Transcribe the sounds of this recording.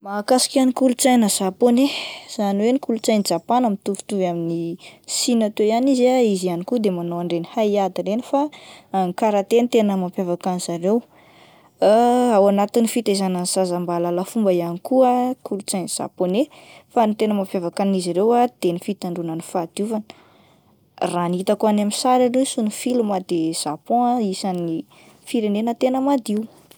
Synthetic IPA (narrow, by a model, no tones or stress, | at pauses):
makasi̥kʲanikulut͡sajnəsaponez̥aniwenikulut͡sajnid͡zapanəmit̪uvi̥t̪uvaminisinat̪ejanizaizianikud̪emanoaɳɖ͡ʐenihaiad̪aɾenifaŋikaɾat̪ent̪enəmampjavakaniz̥aɾew | awanat̪inifit̪aizananzazambalalafumbəianikuəkʰulut͡saniz̥a̰ponefanit̪enəmapjavakaniziɾewad̪̥enifit̪aɳɖ͡ʐunanifad̪̥juvanə̥ | raniit̪akuanamisaɾanesunifilumad̪ez̥apɔ̃aisani | fiɾenenət̪enəmad̪iw